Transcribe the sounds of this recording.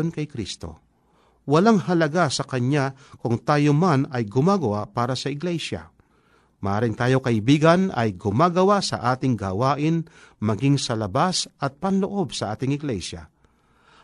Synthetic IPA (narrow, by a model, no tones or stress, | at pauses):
nkɐjkɾist̪o̞̰ | wɐlaŋhɐlɐɡasɐkɐɲa | kʊŋt̪aːjomanɐjɡʊmaːɡɐwapaːɾɐsɐɪɡlɛʃa̰ | mɐʔaːɾɪŋt̪aːjo̞kɐʔɪbiːɡɐnɐ̰jɡʊmaːɡɐwasɐ̰ʔaːt̪ɪŋɡaːwaːʔɪnmɐɡiŋsɐlɐbasʔɐt̪̚pɐnloʔo̞bsɐʔaːt̪ɪŋɪɡlɛʃja̰